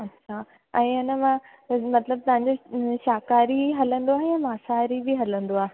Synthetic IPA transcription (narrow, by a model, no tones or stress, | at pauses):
ɐtːɕʰa | ɛ̃ːɐnəmã | mɐt̪ləb̚t̪ɐɦãɲd͡ʑoʃaːkaːɾiɦɐlə̃nd̪oaːɦejãːmaːsaːɾibɪɦɐlə̃nd̪oaːɦ